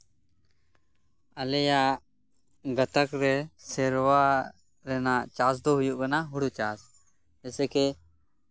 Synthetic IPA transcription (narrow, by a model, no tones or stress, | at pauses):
əlɛjaʔ | ɡət̪əkɾɛsɛɾwa | ɾɛnaʔt͡ʃas̬d̪oɦujuʔkanaɦuɽut͡ʃas | ɛsɛkɛ